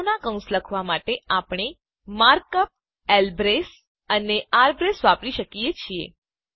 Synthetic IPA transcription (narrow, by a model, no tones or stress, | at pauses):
nakə̃w̃sləkʰʋamaʈeapɳ̃e | maɾkəp̚ | elbɾes | əneaɾbɾesʋapɾiʃəkijet͡ʃʰiḛ